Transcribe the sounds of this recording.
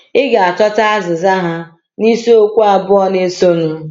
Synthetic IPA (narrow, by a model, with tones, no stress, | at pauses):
ɪ˦ɡa˨a˨tɔ˦ta˦a˦zɪ˨za˦ɦa˦ | ni˦so˦o˦kʷu˦a˨bʊ˦ɔ˦ne˦so˦nʊ˨